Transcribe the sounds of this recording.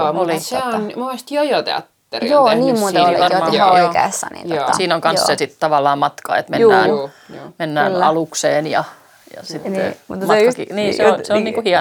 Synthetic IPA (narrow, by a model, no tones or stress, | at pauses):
oliseonmumest̪jojot̪ḛɑ̰t̪ːerijoːniːmut̪ːlʋɑɑoikḛːsːɑ̰nḭjɑsiːnoŋkɑnssesit̪t̪ɑʋɑlːɑːmmɑt̪kɑ̰ḛt̪meːæːnː | menːæ̰ːnɑlukseːnjɑ̰ | jɑ̰sit̪ːḛmut̪mɑɑkiniːseonseonniːkuhiɑ